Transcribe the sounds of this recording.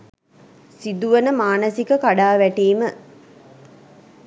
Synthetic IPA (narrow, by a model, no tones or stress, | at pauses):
sid̪uʋənəmaːnəsikəkaɖaːʋæʈiːmə